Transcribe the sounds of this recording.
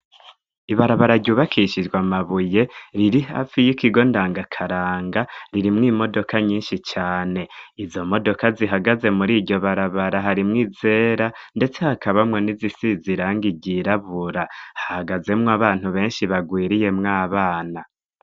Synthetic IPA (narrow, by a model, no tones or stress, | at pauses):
iβaɾaβaɾaɾɟuːβakʰiʃid͡ʒɡwamaβuje̞ɾiɾiɦa̰ːfijikiɡo̞ndaːŋɡakʰaɾaːŋɡaɾiɾimŋiːmo̞do̞kʰaɲiːnʃit͡ʃaːne̞izo̞mo̞do̞kaziɦaɡaze̞muɾiːɟo̞βaɾaβaɾaɦaɾimŋiːze̞ːɾande̞t͡se̞hakaβamŋe̞nizisiziɾaːŋɡiɟiɾaβuɾahḁhaɡaze̞mŋoaβaːn̥huβe̞ːnʃiβaɡwiːɾije̞mŋaːβaːna